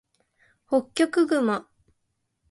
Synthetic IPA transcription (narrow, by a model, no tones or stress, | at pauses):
hokʲːo̞kɯ̟ɡɯ̟ma